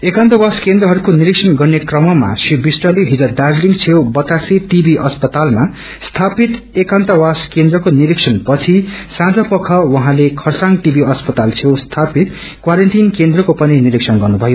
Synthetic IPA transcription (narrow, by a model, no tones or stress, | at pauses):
ekant̪ʌwaskend̪rʌɦʌɾukoniɾiksʰʌnɡʌrnekrʌmʌma̰sibisʈʌleɦid͡zʌd̪ad͡zliŋɡt͡sʰewbʌt̪asiʈibiʔʌspʌt̪alma | st̪ʰapit̪ | ekant̪ʌwaskend̪rʌkoniɾiksʰʌnpʌt͡sʰisãd͡zʌpʌkʰʌwʌɦãlekʰʌrsãŋɡʈibiʌspʌt̪alt͡sʰewst̪ʰapit̪ | kwaɾʌnʈinkend̪rʌkopʌniniɾiksʰʌnɡʌrnubʱʌjo